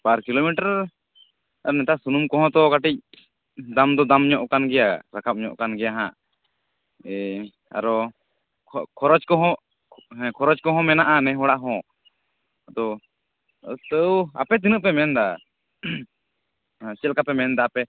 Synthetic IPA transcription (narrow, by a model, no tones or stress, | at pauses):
paɾkilomiʈaɾ | aɾnɛt̪aʔsunumkɔɦɔ̃t̪ɔkaʈic̚ | d̪amd̪ɔd̪amɲɔʔkanɡɛjaɾakʰap̚ɲɔʔkanɡɛjaɦãʔ | a̰ɾɔ | kʰɔɾɔd͡ʒkɔɦɔ̃ | kʰɔɾɔd͡ʒkɔɦɔ̃mɛnaʔanɛɦɔɽaʔɦɔ̃ | d̪ɔ | st̪əwa̰pɛt̪̬inəʔpɛmɛnd̪a | t͡ʃɛlkapɛmɛnd̪aːpɛ